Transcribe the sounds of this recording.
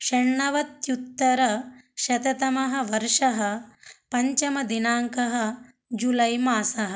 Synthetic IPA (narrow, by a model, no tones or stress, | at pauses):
ʃɐɳɳɐʋɐt̪jut̪ːɐɾɐʃɐt̪ɐt̪ɐmɐɦɐ̆ʋɐɾʂɐɦɐ̆pɐɲt͡ʃɐmɐd̪inaːŋkɐɦɐ̆ | d͡ʒulɐjmaːsɐɦɐ̆